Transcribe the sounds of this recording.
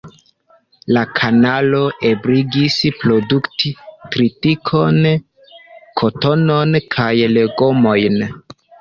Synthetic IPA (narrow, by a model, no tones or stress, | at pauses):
lakʰanalo̞ʔe̞bɾiɡispɾo̞duktitɾitikʰo̞n | kʰo̞to̞no̞nkʰajleɡo̞mo̞jn